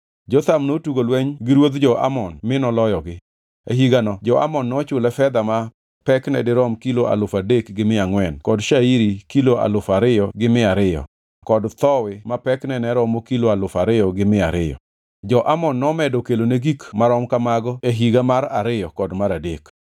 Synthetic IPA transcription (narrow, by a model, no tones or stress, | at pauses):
d͡ʒɔt̪amnotuɡolwɛɲɡɪɾwod̪d͡ʒɔʔa̰mɔnmɪnɔlɔjɔɡɪ | eɦiɡanɔd͡ʒɔa̰mɔnːɔt͡ʃʊlɛfɛd̪ama | pɛknɛ̰dɪɾɔmkiloʔa̰lʊfadekɡɪmɪaŋwɛnkɔdʃaiɾikiloʔa̰lʊfaɾɪjɔɡɪmɪaɾɪjɔ̰ | kɔdt̪ɔwɪmapɛknɛnɛɾɔmokiloalʊfaɾɪjɔɡɪmɪa̰ɾɪ̰jɔ̰ | d͡ʒɔʔamɔnːɔmɛdɔkeloneɡikmaɾɔmkamaɡɔeɦiɡamaɾaɾɪjɔkɔdmaɾadek